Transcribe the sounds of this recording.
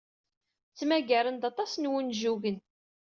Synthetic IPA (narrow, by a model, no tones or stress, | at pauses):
t͡sːmæɡæɾənd̪ɑt̪ˤɑsnwənʒuʝən